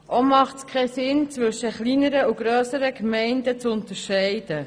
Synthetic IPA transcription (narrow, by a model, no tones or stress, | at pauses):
ʔomɑχtskʰɛsɪnt͡sʋɵʃəχliːnəɾəuɡ̥ɾøːsəɾəkmɛɪndət͡sʊntəɾʃɛɪd̥ə